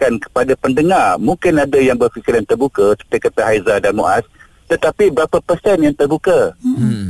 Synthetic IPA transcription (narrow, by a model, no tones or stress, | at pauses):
kankə̥padapəndəŋarmuŋkɪnadajaŋbərfikɪɾjant̪ərbukasə̥pt̪akat̪aɦajzadanmṵʔas | t̪ət̪apibəɾapapərsɛnjaŋt̪ərbuka